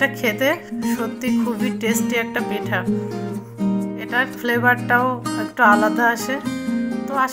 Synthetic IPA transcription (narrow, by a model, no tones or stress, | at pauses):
ʈakʰet̪eʃot̪ːikʰubiʈesʈiɛk̚ʈapeʈʰa | eʈaɾfʰlebaɾʈaoekʈaalad̪aaʃʰet̪oa